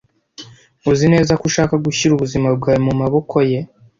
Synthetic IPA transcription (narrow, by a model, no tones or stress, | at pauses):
uzine̞ːzakuʃaːkaɡuçiɾuβuzimab̚ɡaːjomumaβo̞kʰo̞je̞